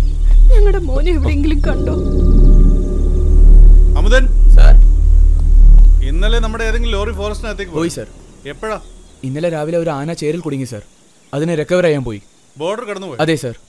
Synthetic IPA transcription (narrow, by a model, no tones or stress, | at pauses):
ɲɐŋːɐɽe̞moːnieʋiɽeeŋɡilumkɐɳɖoː | ɐmud̪ɐnsa̰ːɾ | inːɐlenɐmːuɽeeːðeŋɡiloːrifoːɾɐsʈnaɐt̪ːekʲːipopoːjisaːr | epːɐɻaː | inːɐleɾaːʋileoɾuaːnɐt͡ɕe̞ːɾilkuɽiŋːɨsa̰ːr | ɐðinɨɾekːɐʋɾaːjaːmpo̞ːji | bo̞ːɖɐrkɐɽɐnːupoːjɐðeːsaːr